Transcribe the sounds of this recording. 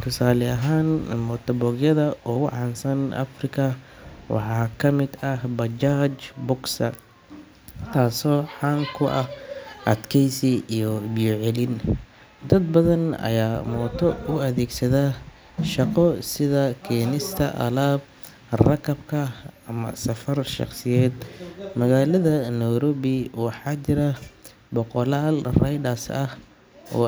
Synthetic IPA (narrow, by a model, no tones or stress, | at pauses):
t̪ʰʊsaːlɛɐɦaːnmɔt̪ʰɐbɔːɡjɐðɐɔːʊʕɑnsɐnʔɐ̰frɪkʰɐ | wɑ̰ħɑːkʰɐmɪd̪ɐbɐd͡ʒaːt͡ʃbʊɡsɐ | t̪ʰaːsɔːħɑːŋkʰʊʔɐhʔɐ̰d̪kʰɛjsiijɔbijɔʕɛlɪn | d̪ɐd̪̚bɐðɐnɐ̰jaːmɔːt̪ʰɔʊɐðɛːɡsɐðaː | ʃɑqɔsɪðɐkʰiːnɪst̪ʰɐʔɐ̰laːb̚ | rɐkʰɐbkʰɐɐmɐ̰sɐfɐrʃɑ̰qsɪjɛːd̪mɐɣaːlɐðɐnɛɾɔβɪwɑħɑːt͡ʃɪɾɐ | bɔqɔlaːlrɐjdɐsɐh | ɔ̰ː